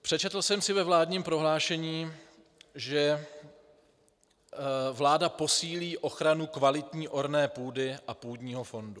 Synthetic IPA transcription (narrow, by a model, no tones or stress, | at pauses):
pr̥ɛt͡ʃɛt̪l̩sɛmsɪvɛvlaːdɲiːmpɾo̞ɦlaːʃɛɲiː | ʒɛ | vlaːdapo̞siːliːʔo̞xɾanukvalɪt̪ɲiːʔo̞ɾnɛːpuːdɪʔapuːdɲiːɦo̞fo̞ndu